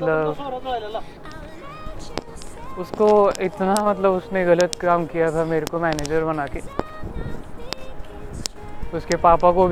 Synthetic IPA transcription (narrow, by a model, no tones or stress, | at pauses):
ləb | ʊskoɪt̪namɐt̪̬ləbʊsneɣɐlət̪kaːmkijat̪ʰameːɾekomɛːneːd͡ʒəɾbɐnaːkeː | ʊskepaːpakobʱ